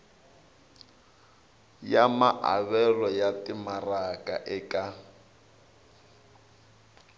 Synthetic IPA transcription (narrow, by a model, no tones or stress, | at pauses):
jamaʔa̰βɛlɔjatʼɪmarakʼa̰ʔɛkʼa